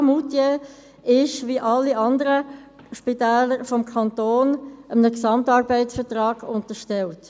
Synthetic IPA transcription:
mutje | ɪʃʋiʔɑlːiɑnd̪əɾə | ʃpitɛːləɾfɔmkʰɑnt̪oːnʔəmənəksɑmtɑːɾbɛɪsfətʁɑːɡ̥ʊntəʃtɛlt

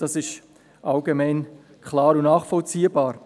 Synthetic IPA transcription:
d̥ɑsɪʃ | ʔalɡemaɪn | kʰlɑːɾʊnnaːχfɔlt͡siːəbɑːɾ

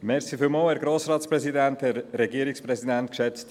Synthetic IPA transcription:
mɛɾsifylmoːhɛːɾɡɾoːsɾɑːtspɾɛsidænthɛɾɾɛɡiəɾikspɾɛsidæntkʃɛt͡st

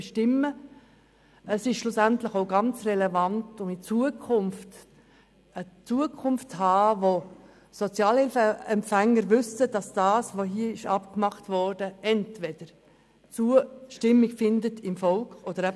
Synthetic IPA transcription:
ʃtɪmːə | əsɪʃʃlʊsæntləχoʊɡɑnt͡srɛlɛvɑntʊmit͡suəkʰʊmft | ət͡suəkʰʊmfthɑːvo | sɔt͡sjɑːlɪlfɛmpfæŋːəɾʋʏsəd̥ɑsd̥ɑːsʋoɦiəɪʃɑpkmɑχtvɔɾd̥əɛntvɛd̥əɾ | t͡suəʃtɪmːiɡfɪndətʰɪmfɔlkχod̥əɾɛ

